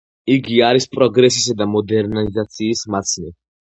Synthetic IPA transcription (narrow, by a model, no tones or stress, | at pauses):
iɡiaɾispʼɾɔɡɾɛsisad̪amɔd̪ɛɾnaizat̪sʰiːsmat̪sʰni